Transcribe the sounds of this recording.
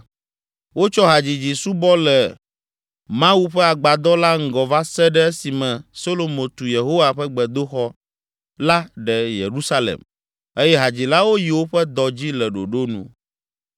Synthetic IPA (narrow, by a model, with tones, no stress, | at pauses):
wo˦t͡ʃɔ˦ɦa˨d͡ʑi˨d͡ʑi˨su˦bɔ˦lɛ˨ | mã˦wu˦ɸɛ˦a˨ɡ͡ba˨d̪ɔ˦la˦ŋ̩˨ɡɔ˨va˦sɛ˦ɖɛ˦ɛ˦si˨mɛ̃˨so˦lo˨mõ˨t̪u˨je˨ɦo˦wa˨ɸɛ˦ɡ͡bɛ˨d̪o˦xɔ˦ | la˦ɖɛ˨jḛ˨ɾu˦sa˦lḛ˨m | e˦jɛ˦ɦa˨d͡ʑi˨la˦wo˦ji˨wo˦ɸɛ˦d̪ɔ˨d͡ʑi˦lɛ˨ɖo̰˨ɖo˦nṵ̃˨